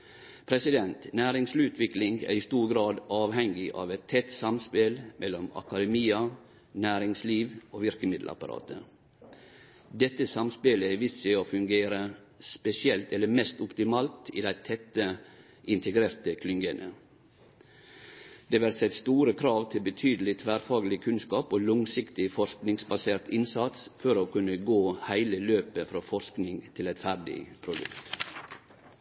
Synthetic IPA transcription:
pʰɾɛsɪd̪ɛnt̪næːɾɪŋslʉːt̪ʰʋɪklɪŋæ̰ːɾɪst̪uːɾɡɾɑːd̪ʔɑːʋhɛŋɡɪʔɑ̰ːʋɛt̪ʰːɛt̪sɑmspeːlmʔɛlːɔmɑ̰kɑd̪ɛmiːɑ | næːɾɪŋsliːʋoːʋɪɾkəmɪd̪l̩ɑ̰pɑɾɑ̰ːt̪ʰə̰ | d̪ɛt̪ːəsɑmspeːləɪʋɪsɪoːfʉŋɡeːɾə | spɛsɪɛlt̪ɛlːəmɛst̪ʊpt̪ɪmɑːlt̪ḭːd̪æɪt̪ʰɛt̪ːə | ʔɪnt̪ʰəɡɾeːɾt̪əkʰlʏŋɡənə | d̪̥eːʋæɾsɛt̪st̪uːɾəkʰɾɑːʋt̪ʰɪlbət̪ʰyːd̪əl̩ɪt̪ʰʋæːɾfɑːɡlɪkʰʉnskɑːpoːlʊŋsɪkt̪ɪfɔɾʃknɪŋsbɑseːɾt̪ɪnsɑt̪sfɔɾoːkʉnəɡoːhæɪləløːpəfɾɑːfɔsknɪŋt̪ʰɪlɛt̪fæɾɖɪ̰pʰɾʊd̪ʉ̰kt̪

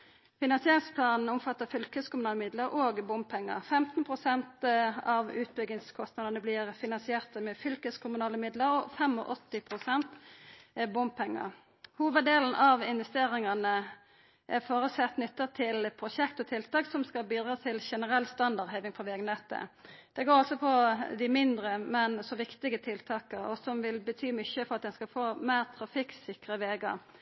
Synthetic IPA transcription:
fɪnɑnsɪeːɾɪŋspʰlɑːnn̩ʊmfɑt̪ːəfʏlkəskʰʊmʉnɑːləmɪd̪ləɾʔoːɡbʊmp̚pʰɛŋːə̰ʁfɛmt̪npʰʁʊsɛnt̪ɑʋʉːt̪bʏɡɪŋskʰɔst̪nɑd̪ənəblɪʁfɪnɑnsɪeːʁt̪əmɛfʏlkəskʰʊmʉnɑːləmɪd̪ləɾɔfɛmɔ̰ʔɔt̪ːɪpʰʁʊsɛnt̪ | bʊmp̚pʰɛŋːə̰ | huːʋəd̪eːln̩ʔɑʋɪnʋɛst̪eːɾɪŋɑnə | ʔɛfoːɾəsɛt̪ːnʏt̪ːət̪ʰɪlpʰɾʊʃɛkt̪ɔt̪ʰɪlt̪ɑːksɔmskɑlbiːd̪ɾɑːt̪ʰɪlʃɛnəɾɛlːst̪ɑnd̪ɑʁɾheːʋɪŋfɔʋɛːɡnɛt̪ːə̰d̪̥ɛɡoːɾɑlsɔpʰɔd̪ɪmɪnd̪ɾəmɛnsɔʋɪkt̪ɪɡət̪ʰɪlt̪ʰɑːkəɾɔsɔmʋɪlbət̪ʰyːmʏçəfɔʁɑt̪̚d̪ɛnskɑfoːmæɪʁt̪ʰɾɑfɪksɪkʁəʋeːɡɑ̰

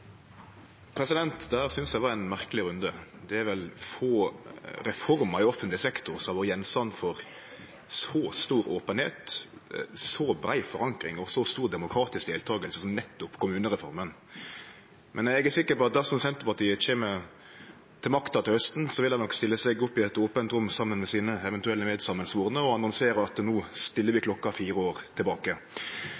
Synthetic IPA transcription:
pʰɾɛsɪd̪ɛnt̪d̪ææːɾsʏnsd̪æʋɑɾænmæʁkəlɪɾʉnd̪əd̪ɛæɾʋɛlfoːɾɛfɔɾməɾɪɔfənt̪lɪsɛkt̪ʊɾsɔmɑʋɔɾjɛnst̪ɑnːfɔɾ | sɔːst̪uːɾoːpənhḛːt̪ | sɔbɾæɪfɔɾɑŋkɾɪ̰ŋɔsɔst̪uːɾd̪ɛmʊkʰɾɑːt̪ɪsk̚d̪eːlt̪ʰɑːɡəlsəsɔmnɛt̪ːʊpkʰʊmʉːnəʁɛfɔɾmən | mʔɛnɛɡæɾsɪkːəpɔɑt̪̚d̪æsɔmsɛnt̪əɾpɑʈ̪ʰiːəçeːmə | t̪ʰɪlmɑkt̪ɑt̪ɪlhœst̪nsɔʋɪld̪ɑnɔkst̪ɪlːəsɛɡʊpːɪɛt̪oːpənt̪ɾʊmːsɑmːənmɛsiːnəɛʋɛnt̪ʉɛlːəmeːd̪sɑmənsʋuːʁnəɔɑnɑnseːɾɑt̪nuːst̪ɪlːəɾʋɪkʰlɔkːɑfiːɾəoːɾt̪ʰɪlbɑːkə

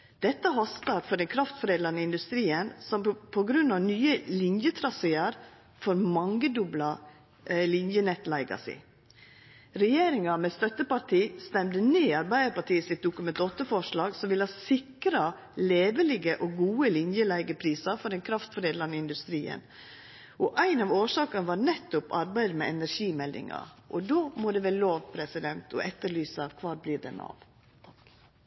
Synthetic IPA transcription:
d̪̥ɛt̪ːəɦɔst̪ɑɾfɔɖɛnkʰɾɑft̪fɔɾeːd̪ləɾnəɪnd̪ʉst̪ɾiːənsɔmpʰɔɡɾʉnːɑʋnyːəlɪnjət̪ʰɾɑseːɑɾ | fɔɾmɑŋɡəd̪ʉblɑ | lɪnjənɛt̪læɪɡɑ̰sɪ̰ | ɾɛjeːɾɪŋɑmɛst̪œt̪ːəpɑʈʰiːst̪ɛmd̪əneːɑɾbæɪd̪əpɑʈiːəsɪt̪̚d̪ʊkʉmɛnt̪ɔt̪ːəfɔʂlɑːɡsɔmʋɪlɑsɪkɾɑ | leːʋəlɪɡəʔɔɡuːəlɪnjəlæɪɡəpʰɾiːsɑfɔɾɛnkʰɾɑft̪fɔɾeːd̪lɑnɪɪnd̪ʉst̪ɾiːə̰n | ʔɔʔæɪnɑːʋoːʂɑːkɑnəʋɑɾnɛt̪ːʊpɑ̰ɾbæɪd̪əmɛɛnæɾʂiːmɛld̪ɪ̰ŋɑ̰ʔɔd̪oːmɔd̪ɛʋɛːloːʋpʰɾɛsɪd̪ɛnt̪ʰɔ̰ʔɛt̪ːəɭyːsəkʰʋɑːɾbliːɖ̪ɛ̰nɑ̰ʋ | t̪ʰ

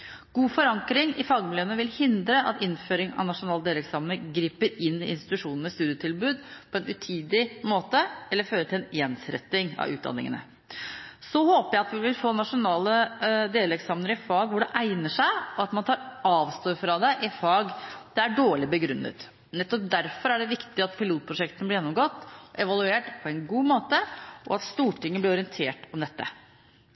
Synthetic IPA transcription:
ɡ̥uːfɔɾɑŋkɾɪŋɪfɑːɡmɪløːnəʋɪlhɪnd̪ɾəʔɑ̰t̪ɪnføːɾɪŋɑ̰ʋnɑʂʊnɑːləd̪eːlɾɛksɑːmənəɾɡɾiːpəɾɪnːɪɪ̰nst̪ɪt̪ʉʂuːnənəst̪ʉːd̪ɪjət̪ʰɪlbʉːd̪pʰɔɛnʔʉt̪ʰiːd̪ɪmoːt̪əɛlːəɾføːɾət̪ʰɪlɛnjɛnsɾɛ̰t̪ːɪŋɑ̰ʋʉ̰ːt̪̚d̪ɑ̰nːɪ̰ŋə̰nə̰ | sɔhoːpəjæɪɑt̪ʋɪʋɪlfoːnɑʂʊnɑːləd̪eːlɛksɑːmnəɾɪfɑːɡʋʊɖɛʔæɪnəʂæɪɔɑt̪mɑnt̪ʰɑːɾɑːʋst̪oːɾfɾɑd̪ɛʔɪfɑːɡd̪̥ɛæɖoːɭɪbəɡɾʉnːə̰t̪ | nɛt̪ːɔp̚d̪æɾfɔɾæɖɛʋɪkt̪ɪɑt̪̚pʰɪluːt̪̚pʰɾʊʂɛkt̪ənəb̪ɪɾjɛnːɔmɡɔt̪ːʔɛʋɑlʉeːʈpʰɔɛnɡuːmoːt̪əʔɔ̰ɑt̪st̪uːʈɪŋːəb̪lɪɾɔɾɪɛnt̪ʰeːʈɔmd̪ɛt̪ːə̰

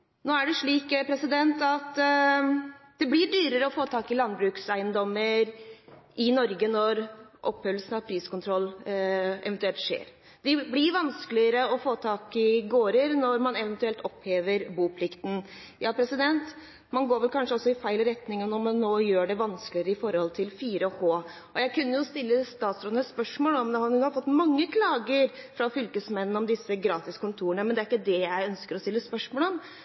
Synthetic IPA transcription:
noːæɖɛʂɭiːkpʰɾɛsɪd̪ɛnt̪ɑt̪ | d̪̥ɛblɪɖyːɾəɾəɔfoːt̪ʰɑːkɪlɑnbɾʉːksæɪənd̪ɔmːəɾʔɪnɔɾɡənɔɾʔɔpːhœləsn̩ɑʋpʰɾiːskʊnt̪ʰɾɔlː | ɛ̰ʋnt̪ʉɛlt̪ʂḛːɾ | d̪̥ɪblɪɾʋɑnskəlɪəɾəɔfoːt̪ʰɑːkɪɡoːɾəɾnɔɾmɑnɛʋənt̪ʉɛlt̪ɔpheːʋəɾbuːpʰlɪkt̪n̩ | jɑːpʰɾɛsɪd̪ɛnt̪ | mɑnɡoːɾʋɛlkʰɑnʂəɔsːɔɪfæɪlɔɾɛt̪nɪŋənɔmɛnːoːjøːɖɛʋɑnskəlɪəɾəɪfɔɾhɔlt̪ʰɪlfiːɾəhoː | ʔɔjæɪkʰʉnːəjʊst̪ɪlːəst̪ɑːt̪sɾɔd̪əspœʂmoːlɔmd̪ɛhɑhɑɾfɔt̪ːmɑŋːəkʰlɑːɡəɾfɾɑfʏlkəsmɛn̩ːɔmd̪ɪsːəɡɾɑːt̪ɪskʊnt̪ʰuːəɳəmɛnd̪ɛæɾɪkːəd̪ɛjæɪœnskəɾɔst̪ɪlːəspœʂmoːləɔm

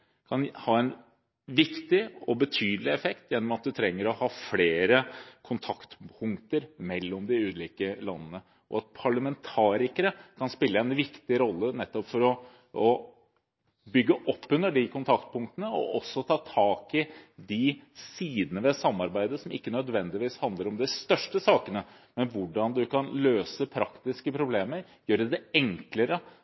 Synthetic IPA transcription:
kʰɑnhɑːɛn | ʋɪkt̪ɪɔbət̪ʰyːd̪əlɪɛfɛkt̪jɛnːɔmɑt̪̚d̪ʉt̪ʰɾɛŋːəɾɔhɑːfleːɾəkʰʊnt̪ʰɑkt̪pʰʊŋkt̪əɾmɛlːɔmd̪ɪʉːt̪liːkəlɑ̰nːənə | ʔɔ̰ɑt̪̚pʰɑɭəmɛnt̪ʰɑːɾɪkəɾəkʰɑnspɪlːəɛnʋɪkt̪ɪɾɔlːənɛt̪ːɔpfɔɾɔ | ɔ | bʏɡːəʔɔpːʉnːəɖɪkʰʊnt̪ʰɑkt̪̚pʊŋkt̪ənəɔ̰ʔɔsːɔt̪ʰɑːt̪ʰɑːkɪd̪ɪsiːd̪ənəʋɛsɑmːɑɾbæɪd̪əsɔmɪ̰kːənœd̪ʋɛnd̪ɪʋiːshɑnd̪ləɾɔmd̪ɛst̪œʂʈəsɑːkənə | mɛnʋʊɖɑnd̪ʉkɑnløːsəpʰɾɑkt̪ɪskəpʰɾʊbleːməɾ | jøːɖɛd̪ɛɛŋkləɾə

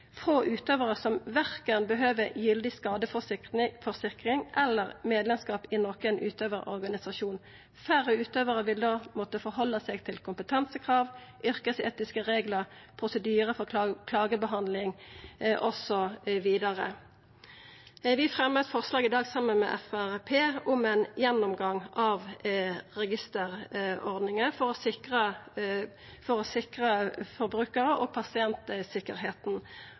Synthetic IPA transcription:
fʁoːʔʉːt̪øːʋəʁəsɔmʋæʁkənbəɦøːʋəjʏld̪ɪskɑːd̪əfɔfɔʁsɪkʁɪŋʔɛlːəʁmeːd̪lɛmskɑːpɪnoːkənʔʉːt̪ʰøːʋəʁɔ̰ʁɡɑnɪsɑʃuːn | fæʁəʉːt̪øːʋəʁəʋɪld̪oːmɔt̪əfɔʁɦɔlːəseːɡt̪ʰɪlkʰʊmpət̪ʰɑnsəkʰʁɑːʋʔʏʁkəsḛːt̪ɪskəʁeːɡləʁpʰʁʊsəd̪yːʁəfɔkʰlɑːɡəbəɦɑnd̪lɪŋʔɔsɔʋiːd̪ɑʁə̰ | ʋɪfʁɛmːət̪fɔʁslɑːɡɪd̪ɑːɡsɑmːənmɛ̰ːʔɛ̰fæʁpʰeːʊmɛnjɛnːʊmɡɑŋɑʋ | ʁɛɡɪst̪əʁɔʁd̪nɪŋəfɔʁɔsɪkʁə | fɔʁɔsɪkʁəfɔʁbʁʉːkəʁəʔoːɡ̚pʰɑsɪɛnt̪əsɪkəʁɦeːt̪n̩

